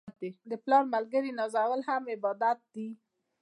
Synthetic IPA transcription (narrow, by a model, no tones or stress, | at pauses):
t̪ed̪əplɑɾmalɡəɾinɑzawəlhamɪbɑd̪at̪̚d̪i